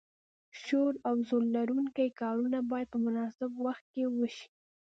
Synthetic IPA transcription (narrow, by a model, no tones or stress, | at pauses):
ʃoɾawzolːaɾuŋkajkɑɾunabɑjad̪̚pəmʊnɑsɪbwaxt̪̚kewəʃi̥